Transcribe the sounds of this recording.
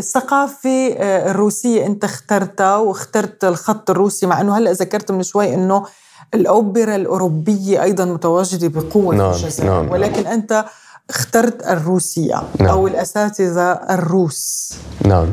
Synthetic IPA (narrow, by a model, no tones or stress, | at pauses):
ʔɪsːaqaːferːuːsɪjːeʔɪnt̪axt̪ɑɾˤt̪awɪxt̪ɑɾˤt̪ɪlxɑt̪ˤːɪrːuːsimaʕʔɪnːoɦalːaʔðakːɑɾˤt̪mɪnɪʃwajːʔɪnːo | ɪlʔoːbɪɾalʔʊ̰ːɾʊbːɪjːeʔɑjd̪ˤɑnmʊt̪awaːʒːɪd̪ebɪqʊwːaaʒazna̰wɪlaːkɪnʔɪnt̪a | xt̪ɑɾˤt̪ɪrːuːsɪjːa̰naʔawɪlʔasaːt̪ɪðaɪrːuːsnam